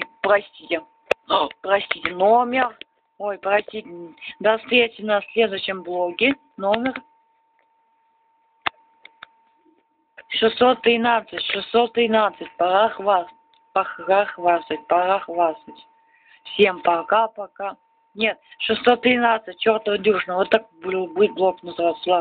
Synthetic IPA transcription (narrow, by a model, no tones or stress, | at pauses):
pɾɐsʲtʲitʲɪ | pɾɐsʲtʲitʲɪnomʲɪr | ojpɾɐsʲtʲitʲɪd̪ɐsɾʲet̪ʲɪnɐsʲlʲe̞d̪ʊɕːɪmblˠoɡʲɪ | nomʲɪr | ʂɨsːo̞t̪ːɾʲɪnat̪sɨtʲʂɨsso̞t̪ːɾʲɪnat̪sɨtʲpɐɾaxva | pɐxaxvast̪ət̚ʲpɐɾaxvasətʲ | fsʲe̞mpɐkapɐka | nʲe̞t̪̚ʂɨsːot̪ːɾʲɪnat̪sɨt̚ʲt͡ɕo̞rt̪əvəd̪ʲuʂnəvot̪ːak̚bɨlˠbɨt̚ʲblˠoknəzɨvat̪slˠa